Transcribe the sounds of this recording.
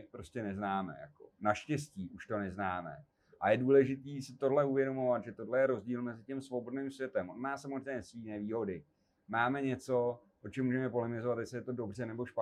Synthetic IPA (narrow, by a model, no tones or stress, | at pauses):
pɾo̞scɛnɛznaːmɛ̰ja̰ko̞̰naʃcɛsciːʔuʃt̪o̞nɛznaːmɛ̰ | ʔajɛduːlɛʒɪt̪iːsɪt̪o̞ɦlɛuvjɛdo̞mo̞vat̪ʒɛt̪o̞dlɛjɛɾo̞zɟiːlmɛzɪcɛmsvo̞bo̞dnɪːmsvjɛt̪ɛmʔo̞nmaːsamozrɛɛsviːnɛːviːɦo̞dɪ | maːmɛɲɛt͡so̞ | ʔot͡ʃɛmːuːʒɛmɛpo̞lɪmɪzovat̪jɛsɛjɛt̪o̞do̞brɛnɛboʃpa